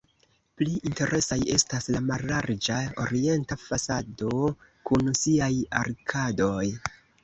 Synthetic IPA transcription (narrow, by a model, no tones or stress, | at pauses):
pliʔinte̞ɾʔe̞saje̞̰staslamaɾlaɾd͡ʒao̞̰ɾie̞ntafasado̞kunsiaja̰ɾkʰado̞j